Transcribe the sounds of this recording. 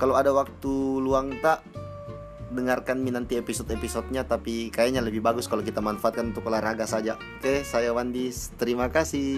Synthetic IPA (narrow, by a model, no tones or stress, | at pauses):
kaloadawak̚t̪uluaŋt̪aʔ | dəŋarkanminant̪iepisɔt̪episɔt̪̚ɲat̪apikajaɲaləbɪhbaɡʊskalok̬it̪amanfaat̪̚kanunt̪ʊkolaraɡasad͡ʒa | kehsajawandist̪əɾimakasɪ